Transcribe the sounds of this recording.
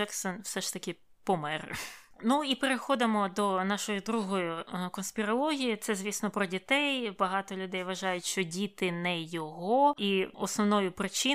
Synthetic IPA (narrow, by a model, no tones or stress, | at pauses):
ɛksɔnwsɛʃt̪ɐkʲɪ | pɔmɛrnuipeɾexɔd̪ɪmɔd̪ɔnɑʃɔjʊd̪ɾuɦɔjʊkɔnsʲpʲɪɾɐlˠɔɦʲijit̪sɛzʲʋʲisnɔpɾɔdʲit̪ɛjbɐɦɑt̪ɔlʲʊd̪ɛjʋɐʒɑjʊtʲʃt͡ʃɔdʲit̪ɪnɛjɔɦɔiɔsnɔʋnɔjʊpɾɪt͡ʃɪ